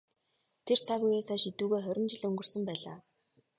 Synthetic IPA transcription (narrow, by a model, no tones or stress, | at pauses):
t̪ʰer̥t͡sʰaɣujeːsɔːʃit̪uːɣeːχœɾʲɪ̆nt͡ɕɪ̆ɮɵŋɡɵ̆r̥sɵ̆mpæːɮa̰ː